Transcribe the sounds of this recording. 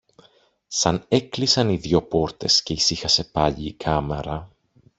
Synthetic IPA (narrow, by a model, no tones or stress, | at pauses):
sɐne̞klisɐniðʝo̞po̞ɾt̪e̞sce̞isixɐse̞pɐʎiːkʰɐme̞̰ɾɐ